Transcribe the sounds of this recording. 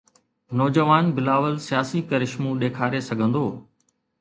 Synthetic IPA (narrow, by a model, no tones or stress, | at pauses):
nɔːd͡ʑəʋaːnbɪlaːʋəlsijaːsikɐɾɪʃmũːɗeːkʰaːɾesɐɡʱə̃nd̪oː